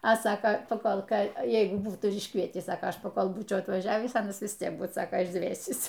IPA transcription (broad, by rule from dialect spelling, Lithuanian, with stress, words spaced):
ɐ ˈsɑːkɐ pɐˈkoːlˠ ˈkɑː ˈjɛɪɡʊ ˈbuːtuː ɪr ɪʃˈkʋʲiɛtʲiːs ˈsɑːkoː ˈɐʃ pɐˈkoːlˠ ˈbuːt͡ʃʲɛʊ ɐtʋɐˈʒʲæːʋʲiːs ˈɑːnɐs ʋʲɪs ˈtʲiɛk ˈbuːt ˈsɑːkɐ ɪʒʲˈdʲʋʲeːsʲiːs